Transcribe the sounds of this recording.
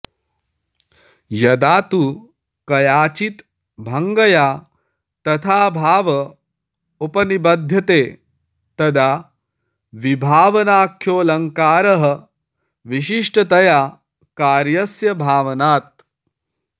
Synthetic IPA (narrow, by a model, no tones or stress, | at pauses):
jɐd̪aːt̪u | kɐjaːt͡ʃit̪ | bʱɐŋɡɐjaː | t̪ɐt̪ʰaːbʱaːʋɐ | upɐnibɐd̪ʱjɐt̪eː | t̪ɐd̪aː | ʋibʱaːʋɐnaːkʰjoːlɐŋkaːɾɐɦɐ | ʋiʃ̬iʂʈɐt̪ɐjaː | kaːɾjɐsjɐbʱaːʋɐnaːt̪̚